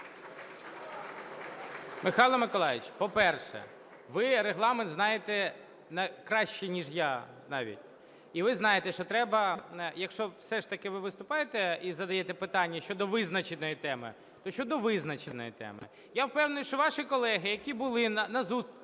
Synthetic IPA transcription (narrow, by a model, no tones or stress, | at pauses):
mɪxɑlˠɐmɪkɔlˠɑjʲɪt͡ʃpɔpɛrʃɛ̰ | ʋɪɾeɦlˠɑment̪znɑjet̪ɛ | nɐkɾɑʃt͡ʃinʲiʒja | nɑʋʲḭtʲ | iʋɪznɑjet̪ɛʃt͡ʃɔt̪ɾɛbɐjɐkʃt͡ʃɔʋsɛʂt̪ɐkɪʋɪʋɪst̪ʊpɑjet̪ɛizɐd̪ɐjɛt̪ɛpɪt̪ɑnʲːɐʃt͡ʃɔd̪ɔʋɪznɐt͡ʃɪnɔjit̪ɛmɪ̰ | t̪ɔʃt͡ʃɔd̪ɔʋɪznɐt͡ʃɪnɔjit̪ɛ̰mɪ̰ | jawpɛwnʊjʊʃt͡ʃɔʋɑʃɪkɔlˠɛɦɪjɐkʲibʊlˠɪnɐnɐzus